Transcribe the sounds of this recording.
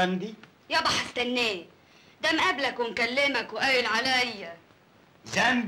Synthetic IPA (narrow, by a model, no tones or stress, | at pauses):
and̪i | jabɑħst̪anːeː | d̪amʔablakwɪnkalːɪmakwʔawɪlʕalajːa | zan